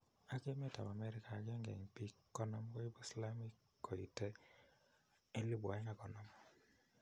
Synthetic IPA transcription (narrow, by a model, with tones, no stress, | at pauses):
a˦ke˦me˦ta̰˨ma˨mɛ˦ɾɪ˦ka˨kɛ˦ŋɡɛ̰˨ŋpi˦kːɔ˦nɔ˦m˦kɔ˦i˦bɔ˦i˨sla˦mi˦kː | o˨ḭ˨tɛ˦ | e˦li˦ba˨ɪ˦ŋa˦˨kɔ˨nɔ˨mɔ˦